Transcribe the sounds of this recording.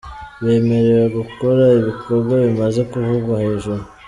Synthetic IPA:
βe̞ːme̞ɾe̞ɾaɡuko̞ɾaiβiko̞ɾɡwaβimaze̞kuvuβaheʒuɾu

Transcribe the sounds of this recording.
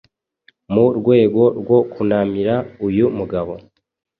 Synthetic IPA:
muɾɡwe̞ːɡo̞ɾɡwo̞kʰunamiɾaujumuɡaβo̞

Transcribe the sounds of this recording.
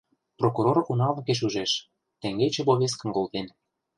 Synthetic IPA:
prokuɾorunɑlɤ̆keʃ̬uʒeʃ | t̪ĕŋɡet͡ɕĕβoβes̬kə̆nkolt̪en

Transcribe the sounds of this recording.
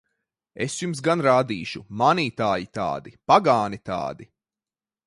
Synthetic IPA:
esjums̬ɡanɾaːd̪iːʃumaniːt̪aːjit̪a̰ːd̪ipaɡaːnit̪a̰ːd̪i

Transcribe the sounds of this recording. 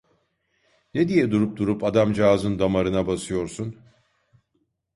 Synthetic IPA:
ned̪ijɛd̪uɾup̚d̪uɾupad̪amd͡ʒaːzɯnd̪amaɾɯnabasɯjo̞ɾsun

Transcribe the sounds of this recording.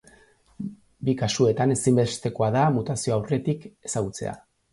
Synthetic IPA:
bikasue̞t̪ane̞simbe̞st̪e̞ko̞aðamut̪asio̞awre̞t̪ike̞̥saɣut͡se̞̰a̰

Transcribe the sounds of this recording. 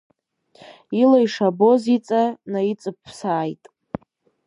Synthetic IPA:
ilajʂabozit͡sʼanait͡sʼɨpʰːsaːjtʼ

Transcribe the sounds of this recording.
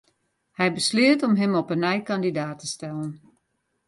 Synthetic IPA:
hɛjbəslɪətɔmɦɛmɔpənɛjkandidaːtʰəstɛlən

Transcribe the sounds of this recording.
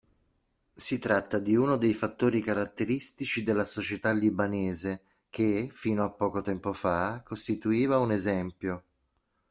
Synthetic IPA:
sit̪ɾat̪ːad̪iunod̪ejfat̪ːoːɾikaɾat̪ːeɾist̪it͡ʃid̪elːasot͡ʃet̪alːibaneːze | k̟efiːnoapːɔːkot̪ɛmpofakost̪it̪uiːvaunezɛmpjo

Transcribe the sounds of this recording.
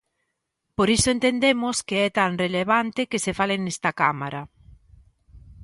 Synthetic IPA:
poɾisoent̪end̪emʊskeɛt̪aŋreleβant̪ekesefalenest̪akamaɾa

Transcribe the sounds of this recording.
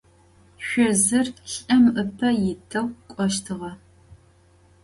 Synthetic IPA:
ɕʷɔzɨrɬɐmʔɨpʰɐjɪtʰɐwkʷʼɔʃtʰɨʁɐ

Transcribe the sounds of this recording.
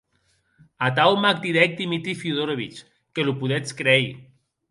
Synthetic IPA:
at̪awmak̚d̪iðɛk̚d̪imit̪ɾifjuðoɾoβit͡ʃ | kelupuðɛt͡skɾɛj

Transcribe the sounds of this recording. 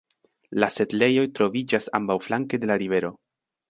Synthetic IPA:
lase̞tle̞jo̞jtɾo̞vid͡ʒasa̰mbawflaŋkede̞laɾive̞ɾo̞

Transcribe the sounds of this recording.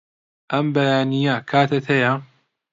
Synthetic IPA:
ʔɐmbɐjaːnijakʰaːt̪ʰɐt̪ʰɐja

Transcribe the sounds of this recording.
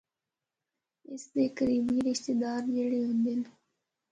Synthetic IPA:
ɪsd̪eːkəɾiːbiɾɪʃt̪eːd̪aːɾd͡ʒeɽeːɦʊ̃nd̪en

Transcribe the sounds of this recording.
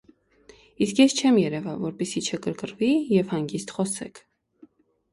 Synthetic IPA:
iskjɛst͡ʃʰɛmjɛɾɛvɑvɔɾpɛsit͡ʃʰəkəɾkəɾvijɛvhɑŋɡist̪χɔsɛ̰kʰ

